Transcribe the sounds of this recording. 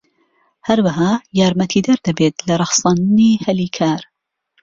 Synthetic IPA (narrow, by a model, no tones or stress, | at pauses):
hɐɾwaɦaːjaːɾmɐt̪ʰiːd̪ɐɾd̪ɐbeːt̪lɐɾˤɑxsˤɑːnniːhɐliːkʰaːɾ